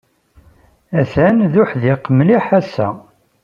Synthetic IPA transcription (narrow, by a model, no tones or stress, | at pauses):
æθænðʊħðiqːəmliħæsæ